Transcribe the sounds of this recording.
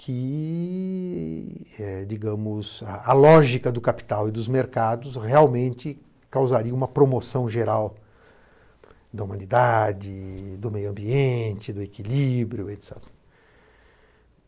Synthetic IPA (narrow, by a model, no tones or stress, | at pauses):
kʰɪ | ɛd͡ʒiɡɐ̃mʊzɐɐlɔʒikɐd̪ʊkapi̥t̪awɪd̪ʊzmeɾkad̪ʊsheawmẽnt͡ʃɪ | kawzaɾiɐũmɐpɾomosɐ̃w̃ʒeɾaw | d̪ɐumɐ̃nid̪ad͡ʒɪd̪ʊmejʊɐ̃mbiẽt͡ʃɪd̪ʊekilibɾjʊet̪sɛ̰t̪